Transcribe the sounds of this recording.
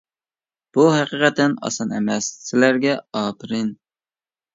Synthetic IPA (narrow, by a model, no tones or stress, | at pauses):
b̥uɦæqiqɛt̪ːɛnɑ̰sɑnɛ̰mɛssːɪlæɾɡʲɛɑːpʰɪɾɪn